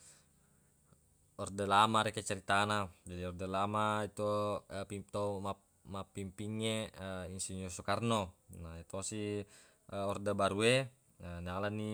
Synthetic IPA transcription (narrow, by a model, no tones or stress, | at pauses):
ɔrdalamaɾɛkɛt͡ʃɛɾit̪anad͡ʒadiɔrdalamait̪upit̪oma | mapimpiŋːeəinsiɲosɔkarnonaɛt̪osi | əɔrdabaɾue | ənalani